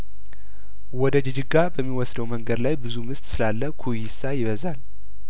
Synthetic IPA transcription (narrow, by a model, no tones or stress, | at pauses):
wɔd̪əd͡ʒɨd͡ʒɨɡːabəmːiwɔsd̪əwməŋɡəd̪lajbɨzumɨst̪sɨlalːəkʰujisajɪβəzal